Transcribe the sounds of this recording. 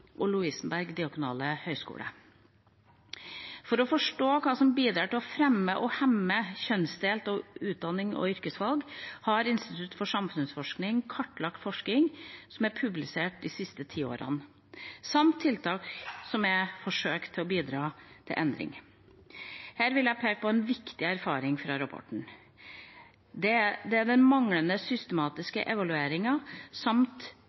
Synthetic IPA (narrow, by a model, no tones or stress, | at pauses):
ʔɔlʊiːsn̩bæɾɡd̪ɪɑɡʊnɑ̰ːləhœʏskṵːlə̰ | fɔɾɔfɔʂʈoːkʰɑːsɔmbiːd̪ɾɑːʈɪlɔfɾɛmːəʔɔhɛmːəçœnsd̪eːlt̪ɔʉːt̪̚d̪ɑnɪŋɔ̰ʏɾkəsʋɑlɡhɑɾɪnst̪ɪt̪ʰʉt̪fɔʂɑmfʉnsfɔʂknɪŋkʰɑʈːlɑkt̪fɔʂkɪŋsɔmæɾpʰʉblɪseːʈ̚d̪ɪsɪst̪ət̪ʰiːo̰ːɾɑ̰n | sɑmt̪ʰːɪlt̪ʰɑːksɔmæfɔʂøːkt̪ʰːɪlɔbiːd̪ɾɑːt̪ʰɪ̰ʔɛnd̪ɾɪ̰ŋ | hæːɾʋɪljæpʰeːk̚pʰɔɛnʋɪkt̪ɪæɾfɑːɾɪŋfɾɑɾɑpʰɔ̰ʈːɳ̩ | d̪ɛd̪ɛæd̪ɛnmɑŋlənəsʏst̪əmɑːt̪ɪskə̰ʔɛʋɑlʉeːɾɪŋɑsɑmt̪